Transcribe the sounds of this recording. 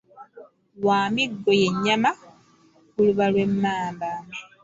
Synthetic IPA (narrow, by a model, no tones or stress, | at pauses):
waːmiɡːo̞je̞ɲːama | kuluβalwe̞mːaːmbaːne